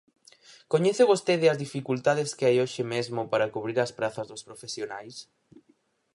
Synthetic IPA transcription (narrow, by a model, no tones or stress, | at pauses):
koɲɛθʊβost̪eðɪɐzðifikult̪aðɪskɪajoʃɪmezmʊpaɾɐkuβɾiɾɐspɾaθɐzðʊspɾofesjonajs